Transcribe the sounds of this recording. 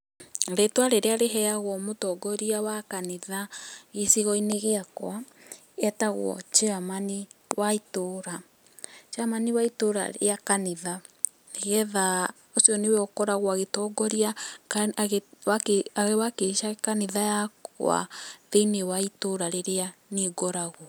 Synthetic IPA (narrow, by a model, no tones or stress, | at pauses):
ɾetwaɾeɾeaɾeɦɛaɣwɔmotɔɡɔɾiawakaniðaɣisiɣɔineɣeakwa | ɛtaɣwɔ̰t͡ʃeamaniwaitoɾa | t͡ʃamaniwaitoɾa̰ḛakaniða | neɣɛða | osiɔneweɔkɔɾaɣwaɣetɔɡɔɾia | ɣwakeaɣewakeʃakaniðajakw̰a̰ðeinewaitoɾaɾeɾeaneɡɔɾaɣwɔ